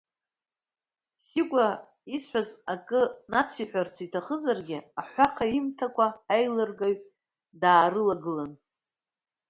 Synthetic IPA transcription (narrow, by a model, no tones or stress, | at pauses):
siɡʷʼa | isħʷazakʼɨnat͡sʰiħʷᶣart͡sʰitʰaχəzarɡʲɪaħʷaqʰaimtʰakʷʰaːjlɨrɡaɥ | daːɾɨlaɡɨlan